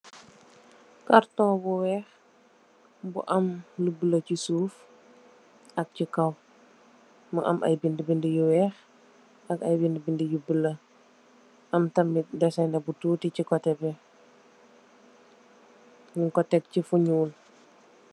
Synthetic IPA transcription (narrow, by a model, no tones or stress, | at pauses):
kartɔ̃buwɛːx | bṵʔɐmlubələcisuːf | ʔɐk̚cikɐw | mɐʔɐ̰mʔɐ̰jbindəbindijuwɛːx | ʔɐkɐjbindbindijubəlɐ | ʔɐmtɐmidɐsɛnɐbututicikɔtɛbɛ | ɲiŋkɔtɛk̚cifuɲuːl